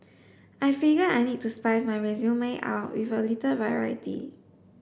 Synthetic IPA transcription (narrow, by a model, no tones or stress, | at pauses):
ʔajfiɡəajnit̚tːuspajsmajɹɛzjũmẽʔa̰wtwḭvəlitəvaɹa̰jitḭ